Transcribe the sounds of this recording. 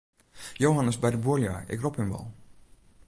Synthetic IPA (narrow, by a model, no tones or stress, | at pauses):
jowɦanəsbɛjdəbuəlˠja̰ːɪ̰krophɪnʋɔ̰lˠ